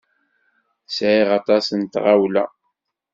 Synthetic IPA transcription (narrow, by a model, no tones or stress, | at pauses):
sʕiʁɑt̪ˤɑsənt̪ʁawlæ̰